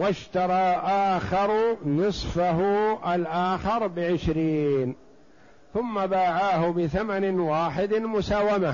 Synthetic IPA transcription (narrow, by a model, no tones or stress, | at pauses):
waʃt̪ɑɾˤɑːʔaːxɑɾˤnɨsˤfaɦʊʔalʔaːxɑɾˤbɪʕɪʃɾiːn | θʊmːabaːʕaːhʊbɪθamanɪnwaːħɪd̪mʊsaːwama